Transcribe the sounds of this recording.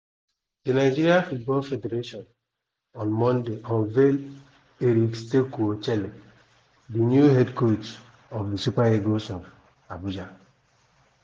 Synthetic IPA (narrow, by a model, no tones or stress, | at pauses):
dinaɪd͡ʒiɾiafut̚bɔlfedeɾeʃɔn | ɔ̃nmɔ̃ndeɔnvel | eɾikstekuot͡ʃele | dinjuɦedkot | ɔfdisupaeɡosɔv | abud͡ʒa